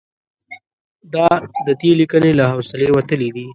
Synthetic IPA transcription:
d̪ɑd̪əd̪elikənelaɦawsɪlewat̪əlid̪i

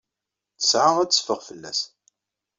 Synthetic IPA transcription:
θə̥sʕaʁæt͡sːə̥fəʁfəlːæ̰s

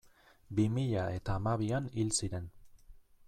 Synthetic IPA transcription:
bimiʎae̞t̪aːmaβ̞ianilsiɾe̞n

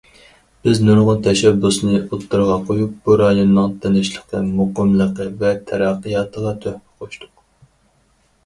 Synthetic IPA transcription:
b̥ɪznuɾʁʊnt̪ʰɛʃɛbːusnɨot̪ʰːuɾʁɑqʰojup̚buɾɑjonːɨŋt̪ʰɪnɪʃlˠəqt̪ɨmʊqəmlˠəqəvɛt̪ʰɛɾɑqːəjɑːt̪ʰəʁɑt̪ʰøhmɛ̥qʰoʃt̪ʊq

